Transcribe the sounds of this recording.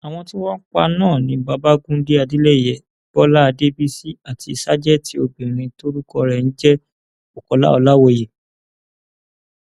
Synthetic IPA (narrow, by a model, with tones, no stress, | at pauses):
a˨w̃ɔ̃˧ti˦wã˦n̩˦k͡pa̰˧nãː˦˨nĩ˧ba˧˦ba˦ɡũ˦de˦a˧di˦lɛ˦˨jɛ˨b̥ɔ˦la˦˧de˦bi˦si˦a˦˨tʰi˧˨sa˦d͡ʒɛ˦˨tʰi˨˦o˧bĩ˨ɾ̃ĩ˧to˦ɾu˦kɔ˧ɾɛ˨n̩˦d͡ʒɛ˦ | o˨kɔ˧la̰˦ɔ˧la˦wɔ˧˨je˨